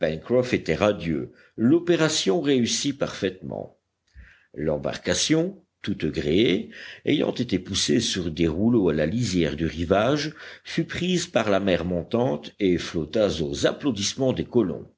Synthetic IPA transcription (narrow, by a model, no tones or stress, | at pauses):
pɛnkχɔfet̪ɛʁad̪jø̰ | lɔpeʁasjɔ̃ʁeysipaʁfɛt̪mɑ̰̃ | lɑ̰̃ba̰ʁkasjɔ̃ | t̪ut̪ɡʁeeejɑ̰̃t̪et̪epusesyʁd̪eʁuloalalizjɛʁd̪yʁivaʒfypχizpaʁlamɛʁmɔ̃t̪ɑ̃t̪eflɔt̪azozaplod̪ismɑ̃d̪ekɔlɔ̰̃